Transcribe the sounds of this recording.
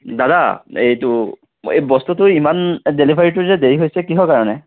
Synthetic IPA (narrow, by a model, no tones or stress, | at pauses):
dadaejtʊ | ḛbɔstutʊimandelibʱaɹitʊzɛdeɹiɦojsɛkiɦɔkaɹɔnɛ